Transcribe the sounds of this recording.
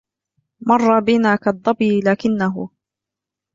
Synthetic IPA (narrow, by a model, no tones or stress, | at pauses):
mɑrˤːɑbɪnaːkɑd̪ˤːɑbiːlaːkɪnːaɦʊ̰